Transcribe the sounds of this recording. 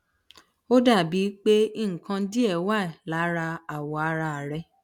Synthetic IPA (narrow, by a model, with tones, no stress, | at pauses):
o˦da˦˨bi˨˦k͡pe˦i˦˨ŋ̩˨kã˧˦di˦ɛ˦˨wa˦˨la˨˦ɾa˧a˨wɔ˨a˧ɾa˧a˨ɾɛ˧